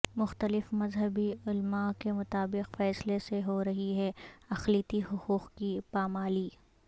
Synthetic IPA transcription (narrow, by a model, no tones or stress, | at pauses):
mʊxt̪əlɪfmɐzɦəbiʊlmakemʊt̪aːbɪqfɛːsleseɦoɾɐɦiɦɛɐxliːt̪iɦʊquːqkipaːmaːliː